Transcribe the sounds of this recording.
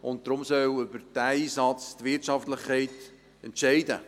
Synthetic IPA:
ʊnt̚d̥ɾʊmsœwʏbəd̥æiːsɑt͡stʋɪtʃɑftləχkʰɛɪt | ɛntʃɛɪdə̰

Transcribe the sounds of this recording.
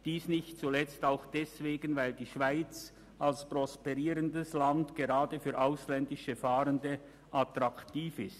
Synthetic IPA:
d̥iːsnɪçt̚t͡sulɛt͡staʊxd̥ɛsv̥eːɡənvaɪldiːʃv̥aɪt͡s | ʔalsprɔspɛʁiːɾəndəslandɡ̥eʁaːdəfyːɐʔaʊslɛndɪʃəfaːɾəndə | ʔatʁaktiːfɪst

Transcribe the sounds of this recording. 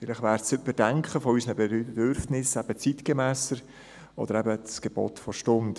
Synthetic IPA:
fɪlɪχvæːɾsʏtmɪdæŋkχəfɔysənəbd̥øɾfnɪsɛb̥ət͡sitɡ̥emɛːsəɾ | ʔɔ̰d̥̪əɾɛbəsɡ̥eb̥o̰ːt̪fɔʃtʊnt

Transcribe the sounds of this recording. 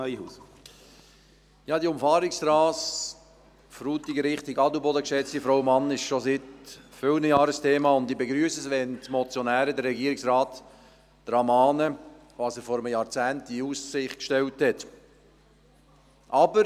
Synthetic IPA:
œihuːs | jɑːd̪iʊmfɑːɾɪksɾɑːs | fɾuːt̪iɡəɾɪχt̪iɡɑdubɔdəkʃɛt͡stifɾawmɑnɪʃʃosɪtfʏlnəjɑːɾəstʰeːmɑːʊndibeɡɾyːsəsʋɛntmɔt͡sjonæːɾədəɾːɛɡiːəɾɪksɾɑːtː | ɾɑmɑːnə | ʋɑsəɾfɔɾəmjɑːɾt͡sæːntiusɪχtkʃtɛlthɛt | ʔɑbəɾ

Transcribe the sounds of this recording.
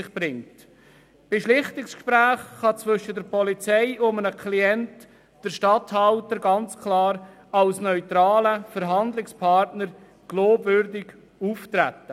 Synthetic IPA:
ɪχb̥ɾɪŋt | b̥ɪʃlɪχtɪkskʃpɾæːχχɑt͡sʋʏʃədəɾpɔlit͡sɛɪʊmənəkʰliɛnt | d̥əɾʃtɑthɑltəɾɡɑnt͡skʰlɑːɾ | ɑlsnœʏtɾɑːləfəɾɦɑndlɪkspʰɑɾtnəɾ | ɡ̥loːbvʏɾdɪɡ | uːftɾæ̰tːə

